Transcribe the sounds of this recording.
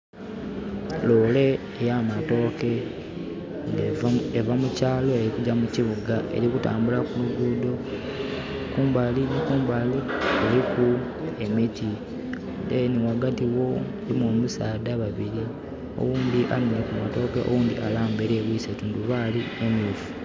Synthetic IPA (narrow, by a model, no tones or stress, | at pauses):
lole̞ː | jamato̞ːke̞ | ŋevamucaːlo̞e̞ɾikuɟamuciβuɡaʔe̞̰ɾikuta̰ːmbulakuluɡuːdo̞ | kuːmbalinikuːmbalieliku | e̞miti | deniwaɡatiwo̞ | limumusaːdaβaβiɾi | o̞̰wuːnd̪iʔaminekumato̞ːkeʔo̰wuːnd̪ḭʔalaːmbe̞ɾeβwiːsetuːnduβaːliemifu̥